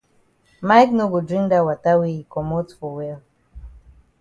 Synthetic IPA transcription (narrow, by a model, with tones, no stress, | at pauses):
ma˦jkno˦ɡo˨dɾĩ˦ŋda˦˨wa˨ta˦wi˦i˨kɔ˨mɔ˦tfɔ˨wɛ˦l